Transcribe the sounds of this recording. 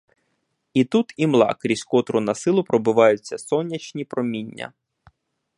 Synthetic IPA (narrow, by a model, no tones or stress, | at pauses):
it̪ut̪imlˠɑ̰kɾʲisʲkɔt̪ɾʊnɐsɪlˠʊpɾɔbʊʋɑjʊt͡sʲːɐsɔnʲːɐt͡ʃnʲipɾɔmʲinʲːɐ̰